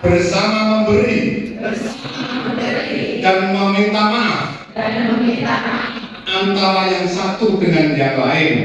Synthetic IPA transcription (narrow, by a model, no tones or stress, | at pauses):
b̥ərsamamambəɾi | d̥anmamint̪amḁ | a | ant̪aɾajaŋsat̪udəŋandabaɪn